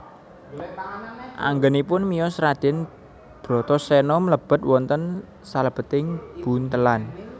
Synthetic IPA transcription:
ʔa̰ŋɡənipʊnmijɔsɾad̪̥ɛ̤n | b̥ɾɔ̤t̪ɔsɛnɔmələb̥ə̤t̪̚wɔnt̪ən | saləb̥ə̤t̪ɪŋb̥unt̪əlan

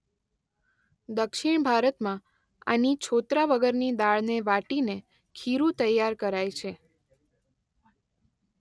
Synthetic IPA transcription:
d̪əkʃiɳ̃bʱaɾət̪mã | a̰nit͡ʃʰot̪ɾaʋəɡəɾnid̪aɭneʋaʈine | kʰiɾũt̪əjːaɾkəɾajt͡ʃʰe

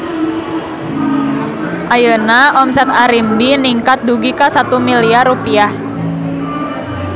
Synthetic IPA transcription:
ʔajənaʔɔmsɛt̪aɾimbiniŋkat̪̚duɡikasat̪umiliarɾupiah

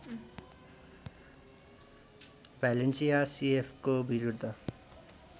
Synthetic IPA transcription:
palensijasiepʰkobiɾud̪ʱːʌ

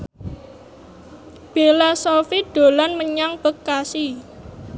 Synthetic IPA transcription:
b̥elasofiɖ̥o̤lanməɲaŋb̥ə̤kːasi

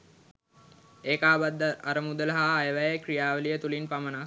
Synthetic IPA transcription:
eːkaːbad̪ːəːɾəmud̪ələɦaːjəʋæjəkrijaːʋəlijət̪ulinpaməna

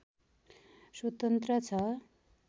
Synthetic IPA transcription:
sʌt̪ʌnt̪rʌt͡sʰʌ

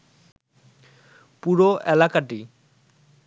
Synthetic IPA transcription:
puɾoʔelakaʈi

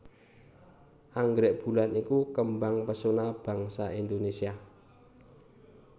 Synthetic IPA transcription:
ʔaŋɡɾɛʔb̥ṳlanikukəmbaŋpəsonab̥a̤ŋsaʔind̪onesia

